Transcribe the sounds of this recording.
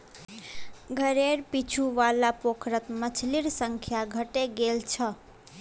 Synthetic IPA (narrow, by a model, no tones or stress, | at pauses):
ɡʱəɾeɾpit͡ʃʰuʋalapokɾət̪mət͡ʃʰliɾsəŋkʰjaɡʱəʈeɡelt͡ʃʰʌ